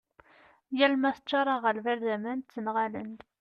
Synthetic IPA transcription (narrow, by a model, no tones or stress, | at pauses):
jælmæθət͡ʃːɑɾˤɑʁəlvæɾðæmænt͡sːənʁalə̰nd̪